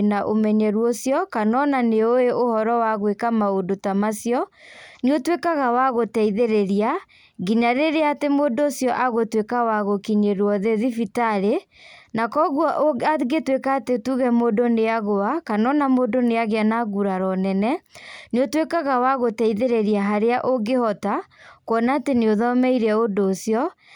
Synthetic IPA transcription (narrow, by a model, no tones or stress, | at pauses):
naʔomɛɲɛɾwosjɔkanɔnaneoeʔohɔɾɔwaɣwekamaodotamasjɔnotwekaɣawaɣotɛiðeɾeɾia | ɡiɲaɾeɾeatemodoːsjɔʔaɣotwekawaɣokiɲeɾwɔðeðifitaɾe | nakɔɣwɔʔaɡetwekaːtetuɣɛmodoneaɣoakanɔnamodoneaɣeanaɣuɾaɾɔnɛnɛneotwekaɣawaɣotɛiðeɾeɾiaɦaɾeaʔoɡehɔtakwɔnaːteneoðɔmɛiɾɛodoːsjɔ